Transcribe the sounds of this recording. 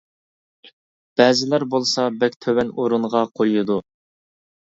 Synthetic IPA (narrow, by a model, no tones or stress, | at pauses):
b̥ɛːzɪlæɾbolˠsɑbɛkʲt̪ʰøwɛnoɾunʁɑqʰojud̪u